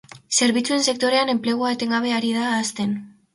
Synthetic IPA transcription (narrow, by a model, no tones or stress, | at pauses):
se̞ɾβit͡sue̞nse̞k̚t̪o̞ɾe̞ane̞mple̞ɣ̞oaet̪e̞ŋɡaβ̞e̞aɾiðaːst̪e̞n